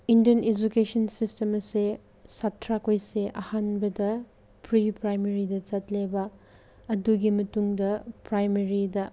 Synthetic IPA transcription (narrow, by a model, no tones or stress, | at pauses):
indijɐned͡ʒukesɐnsistemɐse | satʰɾakojseʔɐhanbɐdɐ | pɾipɾajmeɾidɐt͡ʃɐtlebɐ | ɐduɡimɐtuŋdɐpɾajmeɾidɐ